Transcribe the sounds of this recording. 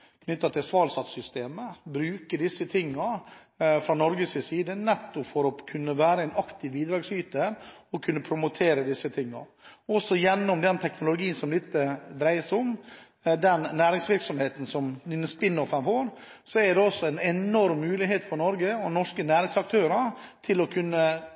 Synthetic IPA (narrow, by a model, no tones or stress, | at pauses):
kʰnʏt̪ːɑt̪ʰɪlsʋɑːlsɑt̪sʏst̪eːməbɾʉːkəɖɪsːət̪ʰɪŋːɑ | fɾɑnɔɾɡəsɪsiːd̪ənɛt̪ːʊpfɔɾɔkʰʉnːəʋæːɾəæɪnɑkt̪ɪʋbiːd̪ɾɑːɡsyːt̪əɔkʰʉnːəpʰɾʊmʊt̪ʰeːɾəd̪ɪsːət̪ʰɪŋːɑ̰ɔsɔjɛnːɔmd̪ɛnt̪ʰɛknʊlʊɡiːənsɔmlɪt̪ːəd̪ɾæɪsʊm | d̪ɛnːæːɾɪŋsʋɪɾksɔmheːt̪n̩sɔmd̪ɪnəspɪnːɔfɑnfoːɾ | sɔɛd̪ɛɔsːɔæɪnɛnɔɾmːʉːlɪɦeːt̪fɔɾnɔɾɡəɔnɔʂkənæːɾɪŋsɑk̚t̪ʰøːɾɑ | t̪ʰɪlɔkʰʉnːə